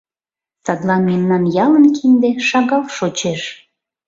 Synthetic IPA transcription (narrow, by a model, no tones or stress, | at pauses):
sɑd̪lɑnmemnɑnjɑlənkind̪eʃɑɣɑlʃot͡ɕeʃ